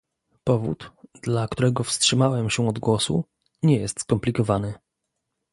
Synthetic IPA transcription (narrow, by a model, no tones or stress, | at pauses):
pɔvṵt̪d̪lakt̪uɾɛɡɔfstʂɘmawɛmɕɛɔd̪ɡwɔsṵ | ɲɛjɛst̪skɔmplʲikɔvanɘ